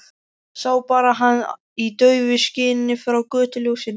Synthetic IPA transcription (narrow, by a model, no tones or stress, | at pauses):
sawpaːɾaɦan | it̪œːɥvɪscɪːnnɪfɾawkœːt̪ʏljoɣsin